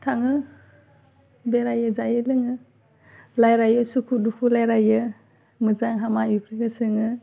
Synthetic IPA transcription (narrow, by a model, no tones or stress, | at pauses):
tʰaŋɯ | beɾajɯzajɯlɯŋɯ | lajɾajɯsukʰudukʰulajɾajɯ | mɯzaŋɦamajupʰɾiɡɯsɯŋɯ